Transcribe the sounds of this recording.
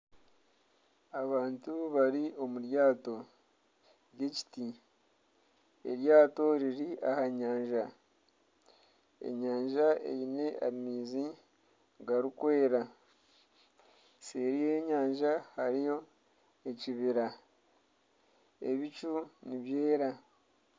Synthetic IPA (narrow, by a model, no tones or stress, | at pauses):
aβaːntuβaɾio̞muɾjaːto̞ | jeci̥ti | ḛɾjaːto̞ɾiɾiʔahaɲaːɲʒa | e̞̰ɲaːɲʒaḛβine̞a̰ɾimiːzi | ɡaɾikwe̞ːɾa | seɾije̞ɲaːɲʒahaɾijo̞ | eciβiɾa | e̞̰βit͡ʃuniβje̞ːɾa